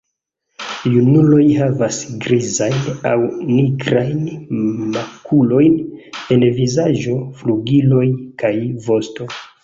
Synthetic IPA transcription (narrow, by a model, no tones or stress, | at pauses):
junulo̞jɦavasɡɾizajna̰wniɡɾajnmakʰulo̞jne̞nvizaʒo̞fluɡilo̞jkajvo̞sto̞